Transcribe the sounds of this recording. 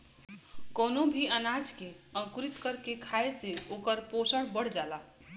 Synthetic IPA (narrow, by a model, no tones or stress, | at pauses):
koːnobʱiənad͡ʒke | ə̃ŋkuɾit̪kəɾkekʰaeseoːkəɾposəɽbəɽ̤d͡ʒala